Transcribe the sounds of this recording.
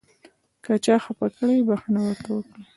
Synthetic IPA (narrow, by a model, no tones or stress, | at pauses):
kat͡ʃɑxapakəɽabaxanawəɾt̪awəkɽi